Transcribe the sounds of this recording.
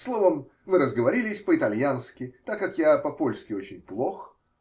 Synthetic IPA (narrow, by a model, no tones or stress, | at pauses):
slˠo̞vəm | vɨɾəzɡəvɐɾʲilʲɪsʲpəɪt̪ɐlʲjanskʲɪt̪akːakjapɐpolʲskʲɪo̞t͡ɕɪnʲplˠox